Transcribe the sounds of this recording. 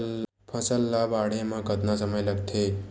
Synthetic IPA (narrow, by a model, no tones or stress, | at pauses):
l | pʰəsəlːabaɽemãkət̪nasəməjləɡt̪ʰe